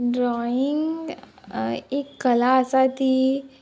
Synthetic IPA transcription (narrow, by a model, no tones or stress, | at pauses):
ɖɾɔiŋɡ | ekːəlaəsat̪iː